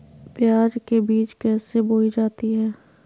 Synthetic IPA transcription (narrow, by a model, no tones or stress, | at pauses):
pjaːd͡ʒkebiːt͡ʃkɛːseboːid͡ʒaːt̪iɦɛː